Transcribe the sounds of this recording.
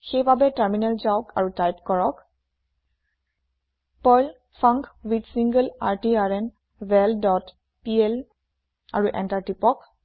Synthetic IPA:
xejbabɛtaɹminalzaʊka̰ɹutajpkɔɹɔk | pɔjl | fʰaŋkwidsiŋɡəlaɹtiaɹɛn | vɛldɔt | piɛl | a̰ɹuʔɛ̰ntaɹtipɔk

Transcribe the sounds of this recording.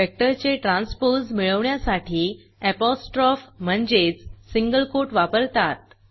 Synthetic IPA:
ek̚ʈəɾt͡ɕeʈɾãnspoɾsmiɭəʋɳjasaʈʰiː | ɛpɔsʈɾɔfm̤əɳd͡ʑet͡ssiŋɡəlkoʈʋapəɾt̪at̪̚

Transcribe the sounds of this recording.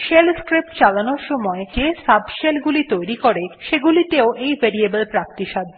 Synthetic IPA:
ʃelskɾip̚ʈt͡ɕalanoɾʃɔmɔed͡ʑesabʃelɡulit̪ojɾikoɾeʃeɡulit̪eoʔejbʱeɾiebəlpɾakt̪iʃad̪

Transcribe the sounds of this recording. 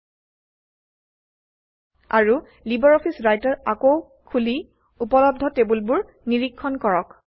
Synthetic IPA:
a̰ɹu | libɔɹɔpʰisɹajtɔtakow | kʰuli | upɔlɔb̚dʱɔtebulbʊɹ | niɹikʰːɔnkɔɹɔk

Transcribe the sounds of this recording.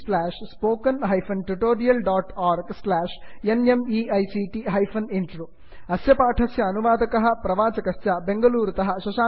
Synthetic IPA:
slaːʂspoːkːɐnɦɐjfɐnʈuʈoːɾijɐlɖaːʈaːɾɡslaːʂenemiɐjsiʈiɦɐjfɐninʈroː | ɐsjɐpaːʈʰɐsjɐːnuʋaːd̪ɐkɐɦɐpɾɐʋaːt͡ɕɐkɐsjɐbe̞ŋɡɐluːɾt̪ɐɦɐʃɐʃaː

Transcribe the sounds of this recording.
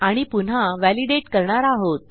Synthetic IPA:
aɽ̃ipun̤aʋæliɖeʈkəɾɳaɾaɦot̪

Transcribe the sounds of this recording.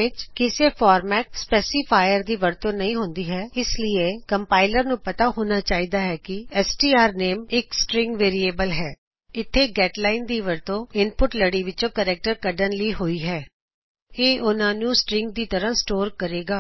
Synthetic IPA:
ɪt͡ʃkɪseːfʰaːɾmɛːʈspɛːsipʰaːjəɾd̪iːʋəɾt̪õːnəĩːɦʊ̃nd̪iːɦɛːɪslɪeːkəmpaːɪləɾnũːpət̪aːɦoːnaːt͡ʃaːiːd̪aːɦɛːkɪɛːsʈiːaːɾneːmɪksʈɾɪ̃ŋɡʋeːɾieːbəlɦɛː | ɪt̪ʰːeːɡɛːʈlaːɪnd̪iːʋəɾt̪õːɪnpʊʈləɽiːʋɪt͡ʃõːkəɾɛːk̚ʈəɾkəɖənliːɦoːiːɦɛː | eːʔʊnãːnũːsʈɾɪ̃ŋɡd̪iːt̪əɾãːsʈoːɾkəɾeːɡaː

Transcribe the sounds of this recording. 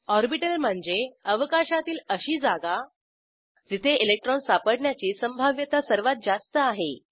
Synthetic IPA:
ɔɾbiʈəlm̤əɳd͡zeəʋəkaɕat̪iːləɕiːd͡zaɡa | d͡zit̪ʰeʔilek̚ʈɾɔnsapəɽɳjat͡ɕiːsəmbʱaʋjət̪asəɾʋat̪̚d͡zast̪əaɦe

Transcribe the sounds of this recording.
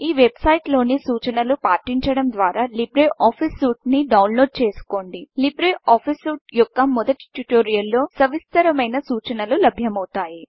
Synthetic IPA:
iːʋe̞bsɐjʈlo̞ːnisuːt͡ʃɐnɐlupaːʈiɲt͡ʃɐɽɐmd̪ʋaːɾaːlibɾeʔaːpʰisuːʈniɖɐwnlo̞ːɖ̚t͡ʃe̞ːsu̥ko̞ːɳɖilibɾeʔaːpʰisuːʈjɔkːɐmɔd̪ɐʈi̥ʈuʈoːɾijɐlːo̞ːsɐʋist̪ɐɾɐmɐjnɐsuːt͡ʃɐnɐlulɐbʱjɐmɐwut̪aːji

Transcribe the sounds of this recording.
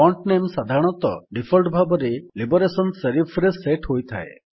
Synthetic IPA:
ɔɳʈnemsad̪ʱaɾɔɽ̃ɔt̪ɔɖipʰɔlʈbʱabɔɾelibɔɾesɔnseɾipʰɾeseʈɦojt̪ʰa̰ḛ

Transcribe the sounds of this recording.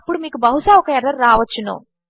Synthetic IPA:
pːuɽumiːkubɐɦusaːɔkɐɛɾɐɾːaːʋɐt͡ʃːunːo̰ː

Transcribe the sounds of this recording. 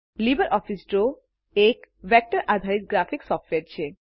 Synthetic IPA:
libaɾʔɔfʰisɖɾo | ek | bɛk̚ʈaɾʔad̪ʱaɾit̪̚ɡɾafiksɔfʈʋeɾt͡ɕʰen

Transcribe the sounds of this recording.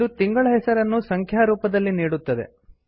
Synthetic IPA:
ut̪iŋɡɐɭɐɦɛsɐɾɐnːusɐŋkʰjaːɾuːpɐd̪ɐlːiniːɽut̪ːɐd̪e̞̰

